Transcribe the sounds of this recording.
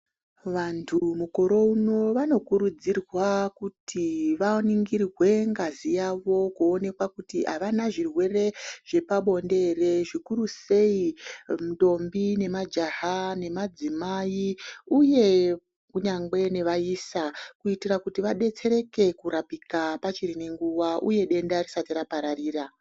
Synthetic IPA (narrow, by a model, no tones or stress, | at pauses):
ʋantʰumuko̞ɾo̞uno̞ʋano̞kuɾud͡zirwakutʰiʋaoniŋɡirrwe̞ŋɡazijaʋo̞kuone̞kwakutiʔaʋanaʐirwe̞re̞ʐ̥e̞paɓo̞nde̞re̞ʐikuɾuse̞imuɗo̞mbine̞mad͡ʒaɦane̞mad͡zimaiuje̞ | kuɲaŋɡe̞ne̞ʋaiːsakuitirakutiʋaɗe̞t͡se̞ɾe̞ke̞kuɾapikapat͡ʃiɾine̞ŋɡuʋaʔṵje̞ɗe̞ndarisatiɾapaɾariːra